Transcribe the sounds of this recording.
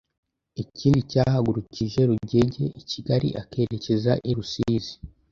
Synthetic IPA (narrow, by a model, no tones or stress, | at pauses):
iciːndicaːhaɡuɾuciʒe̞ɾuɟe̞ɟe̞ʔiciɡaɾḭʔake̞ɾecezaʔiɾusiːzi̥